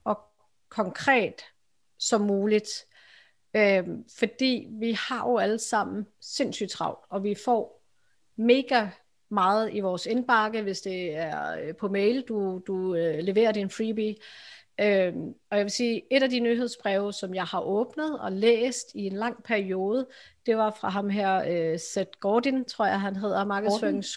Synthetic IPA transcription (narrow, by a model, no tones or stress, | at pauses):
ɒ̽ | kʰɒ̽ŋkʰʁɛ̰ːd̥ | sɒ̽mːuːlid̥ | øfɒ̽d̥ḭːʋihɑ̈jo̝æləsɑ̈m̰n̩se̝n̰sy̰d̥t͡sʰʁɑ̈ʊd̥ɒ̽ʋifɒ̰ː | me̝ːɡ̥æ | mɑ̈ːð̩ˠiʋɒːsenb̥ɑ̈ɡ̥əʋe̝sd̥e̝æɐpʰɔ̽meɪld̥ud̥uøleʋe̝̰ːɐd̥infʁiːbi | ømɒ̽jɑ̈ʋe̝siːe̝ɾæd̥inyɦe̝ð̞ˠsb̥ʁɛʊsɒ̽mjɑ̈ɪhɑ̈ʔɔ̽ːb̥nəð̞̩ˠɒ̽lḛːsd̥ie̝nlɑ̈ŋ̰pʰæɐio̝ːð̞ˠəd̥e̝ʋɑ̈fʁɑ̈ɦɑ̈mɦæɐ̰øsed̥ɡ̥ɒːd̥int͡sʰʁo̰ɐ̰jɑ̈ɦænɦe̝ð̰ˠɐmɑ̈ːɡ̥ðˠsføŋ̩s